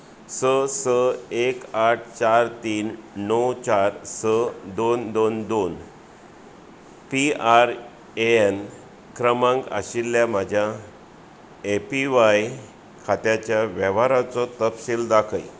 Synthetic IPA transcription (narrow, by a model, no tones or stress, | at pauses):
səsəekaʈ̚ʰt͡ɕaɾt̪iːnːɔwt͡ɕaɾsəd̪ond̪ond̪on | piaɾ | een | kɾəmãŋka̰ɕilːjam̤ad͡ʑʱja | epiʋaj | kʰat̪jat͡ɕjaʋɛʋaɾat͡sɔt̪əpsild̪akʰəj